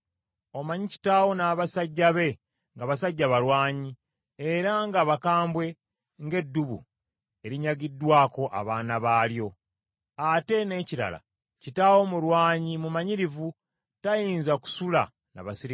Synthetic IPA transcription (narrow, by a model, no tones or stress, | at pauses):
o̞maɲici̥taːwo̞naːβasaɟːaβe̞ | ŋɡaβasaɟːaβaɾwaːɲi | eɾaŋɡaβakaːmbwe̞ | ŋɡe̞dːuβṵ | e̞ɾiɲaɡidːwaːko̞ʔa̰βaːnaβaːljo̞ | ate̞ne̞ciɾa̰la̰ | citawo̞muɾwaːɲimumaɲiɾivu | tajiːnzaku̥sula̰ | na̰βasiɾi